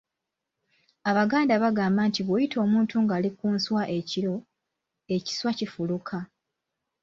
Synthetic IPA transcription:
aβaɡaːndaβaɡaːmbantiβwojitʰo̞ːmuːntʰuŋɡaːlikuːnswaʔe̞ciɾo̞ | e̞ci̥swacifulukʰa

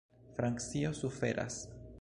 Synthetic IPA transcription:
fɾaŋkt͡siosufe̞̰ɾʔa̰s

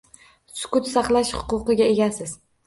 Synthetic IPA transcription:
sʊ̥kʊt̪sɑχlˠaʃhʊ̥qʊqɨɡʲae̞ɡʲasɪz̥

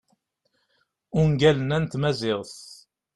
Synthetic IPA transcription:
ʊŋɡælənænt̪mæzɪʁθ

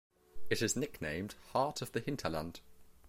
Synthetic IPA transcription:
ɪtɪznɪknḛ̃ɪ̃md̥hɑˑtʰəvðəhɪ̃ntʰələ̰̃nd̥

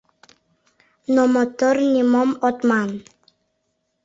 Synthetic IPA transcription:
nɔmɔt̪ɔrnimɔmɔt̪man

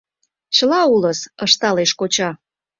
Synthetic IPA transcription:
t͡ɕəlɑuləsəʃt̪ɑleʃkot͡ɕɑ

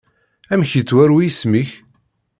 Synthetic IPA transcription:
æmçit͡sːwæɾwijsmiç

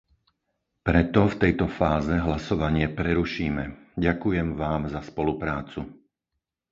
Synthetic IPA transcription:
pɾɛt̪ɔft̪ɛjt̪ɔfaːzɛɦlasɔʋaɲɪɛpɾɛɾuʃiːmɛɟakujɛmʋaːmzaspɔlupɾaːt͡su

